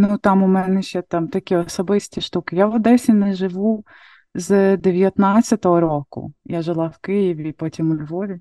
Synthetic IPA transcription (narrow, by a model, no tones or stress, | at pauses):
nut̪ɑmʊmɛnɛʃt͡ʃɛt̪ɑmt̪ɐkʲiɔsɔbɪsʲtʲiʃt̪ukɪjaʋɔd̪ɛsʲinɛʒɪʋu | zd̪eʋʲjɐt̪nɑt͡sʲːɐt̪ɔɦɔɾɔkʊ̰jaʒɪlˠɑwkɪjiʋʲipɔtʲimʊlʲʋɔʋʲi